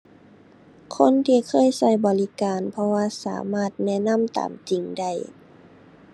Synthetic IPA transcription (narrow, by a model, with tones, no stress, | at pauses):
kʰo˧˥˨nt̪ʰiː˧kʰɤː˧˥˨jsa˧˥˩jbɔː˨˩li˧˥kaː˨npʰɔ˧waː˧sa̰ː˩˦maː˧˥˩t̪̚nɛː˧˥˨na˧˥˨mt̪a̰ː˨˩mt͡ɕi˨ŋda˧˩j